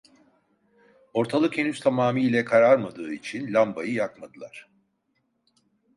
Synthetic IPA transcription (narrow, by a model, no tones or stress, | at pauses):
o̞ɾt̪ʰalˠɯkenyst̪ʰamaːmiːlʲɛkʰaɾaɾmad̪ɯːit͡ʃʰinlʲambajɯjakmad̪ɯlˠaɾ̥